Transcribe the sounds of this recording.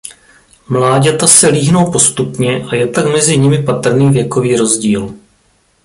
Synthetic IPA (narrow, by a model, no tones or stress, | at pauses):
mlaːɟɛt̪asɛliːɦno̞wpo̞st̪upɲɛʔajɛt̪akmɛzɪɲɪmɪpat̪r̩niːvjɛko̞viːɾo̞zɟiːl